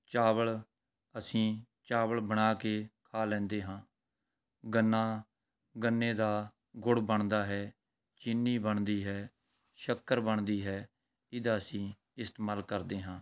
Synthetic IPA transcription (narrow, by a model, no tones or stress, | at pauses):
t͡ʃaːbəɭ | əsĩː | t͡ʃaːʋəɭbəɳ̃aːkeːkʰaːlɛ̃ːnd̪eːɦãː | ɡənːãː | ɡənːeːd̪aː | ɡʊɽbəɳd̪aːɦɛː | t͡ʃɪnːiːbəɳd̪iːɦɛː | ʃəkːəɾbəɳd̪iːɦɛː | ɪd̪aːəsĩː | ɪst̪ːmaːlkəɾd̪eːɦãː